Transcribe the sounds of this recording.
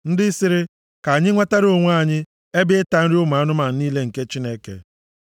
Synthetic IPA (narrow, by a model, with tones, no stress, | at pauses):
n̩˦dɪ˦sɪ˦ɾɪ˦ | ka˨ɲɪ˦ŋʷa˦ta˦ɾo˦˨ŋʷ˦a˦˨ɲɪ˦ | e˦bɪ˦ɪ˦ta˨˦n̩˦ɾi˦ʊ˦ma˨a˦nʊ˦ma˨˦niː˦le˦ŋ̩˨ke˦t͡ʃi˦ne˦kḛ˨